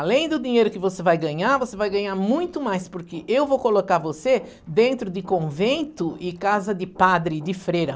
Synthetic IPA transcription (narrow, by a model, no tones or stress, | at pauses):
alẽj̃d̪ʊd̪iɲejɾʊkɪvosevajɡɐ̃ɲaɾvosevajɡɐ̃ɲaɾmũj̃t̪ʊmajspʊɾkɪʔewvowkolokaɾvose | d̪ẽnt̪ɾʊd̪ɪkõvẽnt̪ʊɪkazɐd̪ɪpad̪ɾɪd̪ɪfɾejɾɐ